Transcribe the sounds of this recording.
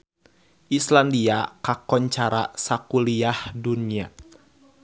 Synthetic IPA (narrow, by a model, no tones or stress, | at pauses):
ʔislandiakakɔɲt͡ʃaɾa̰sakuliahdunia